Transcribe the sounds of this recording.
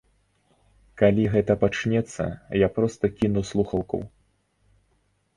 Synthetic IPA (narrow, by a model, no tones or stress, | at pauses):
kalʲiɣɛt̪ɐpat͡ʂnʲɛt̪sːɐ̰japɾɔst̪ɐkʲinuslˠuxɐwkɐ̰w